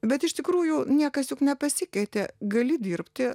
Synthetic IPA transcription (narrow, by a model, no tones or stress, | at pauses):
bʲɛt̪ɪʃt̪ʲɪkɾuːjʊnʲiɛkɐsjʊknʲɛpɐsʲɪkʲɛɪt̪ʲeɡɐlʲɪd̪ʲiɾpʲt̪ʲɪ